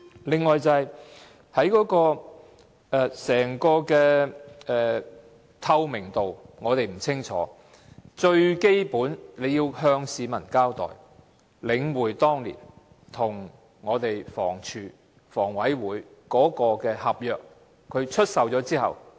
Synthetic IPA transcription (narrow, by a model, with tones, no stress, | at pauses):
lɪ˨ŋːɔː˨jt͡sɐ˨ɐ˨˩j | hɐ˨˥jkɔː˨˥kɔː˧ | ʔɛː˨˧sɛː˨˩ŋkɔː˧kɛː˧ɛː˨ | t̪ʰɐ˧wmɪ˨˩ŋt̪o˨wŋɔː˨˧t̪e˨jm̩˨˩t͡sʰɪ˥ŋt͡ʃʰɔː˨˥ | t͡ʃɵ˧ɥke˥jpuː˨˥nle˨˧jiː˧whœː˧ŋsiː˨˧mɐ˨˩nkaː˥wt̪ɔ̰ː˨j | lɪ˨˧ŋwuː˨˩jt̪ɔː˥ŋlḭ˨˩n | t̪ʰʊ˨˩ŋ | ŋɔː˨˧t̪e˨jfɔ̰ː˨˩ŋt͡ʃʰyː˨ | fɔː˨˩ŋwɐ˨˥jwuː˨˧˥jkɔː˨˥kɔː˧kɛː˧hɐ˨p̚jœː˨k̚ | kʰːɵ˨˧ɥt͡ʃʰɵ˥t̚sɐ˨wt͡sɔː˨˥t͡siː˥hɐ̰˨w